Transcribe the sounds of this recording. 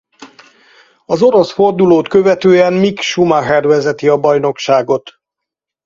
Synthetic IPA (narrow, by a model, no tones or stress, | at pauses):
ɒzo̞ɾo̞sfo̞rd̪uloːt̪kø̞vɛt̪øːɛmmikʃumaɦɛrvɛzɛt̪iɒbɒjno̞kʃaːɡo̞t̪